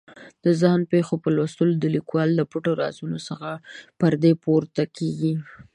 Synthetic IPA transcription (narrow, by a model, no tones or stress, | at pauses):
d̪̥əzɪhnpexopəlwast̪əlod̪əlikwɑld̪əpuʈoɾɑ̰zunosəxapəɾd̪epoɾt̪akeɡi